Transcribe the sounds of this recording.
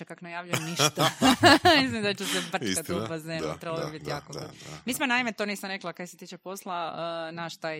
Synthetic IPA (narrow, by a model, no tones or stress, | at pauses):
ekaknajaːʋʎujemniʃt̪amis̬limd̪at͡ʃesebr̩kat̪upazeɾut̪ɾeβblobibit̪jaːkomismonaimet̪onisamɾeklˠakaeset̪it͡ʃepo̞slˠaənaʃt̪aːj